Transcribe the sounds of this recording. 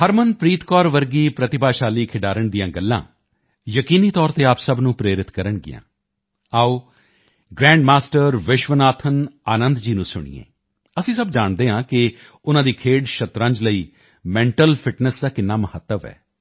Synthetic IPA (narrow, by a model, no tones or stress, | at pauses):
həɾmənpɾiːt̪kɔːɾʋəɾɡiːpɾət̪ɪbaːʃaːliːkʰɪɖaːɾəɳd̪ijãːɡəlːã̰ː | jəkiːniːt̪ɔːɾt̪eːaːpsəbnũːpɾeːɾɪt̪kəɾəɳɡɪ̰jã̰ː | aːoː | ɡɾɛ̃ːɳɖmaːsʈəɾʋɪʃʋənaːt̪ʰənaːnənd̪d͡ʒiːnũːsʊɳ̃ḭːḛ̃ː | əsĩːsəbd͡ʒaːɳd̪eːɦãːkɪ | ʊnãːd̪iːkʰeːɖʃət̪ɾãːɲd͡ʒləiː | mɛ̃ːɳʈəlpʰɪʈnəsd̪aːkɪnːaːməhət̪ːəʋɛ̰ː